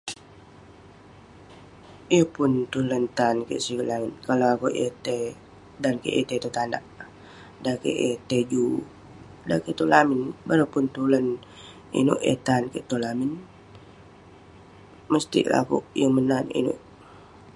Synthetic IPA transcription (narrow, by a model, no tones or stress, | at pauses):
ijəpʊnt̪ulənt̪ankḛʔsiɡəʔlamɪnkalawakoʔet̪e | dankḛʔet̪et̪ut̪anda̰ʔ | dakḛʔet̪ed͡ʒu | da̰ket̪ulamɪnbaɾapʊnt̪ulən | ḭno̰ʔḛt̪ankeʔt̪ulamɪn | məst̪ḭʔla̰kṵʔjəmənanḭnʊ̰ʔ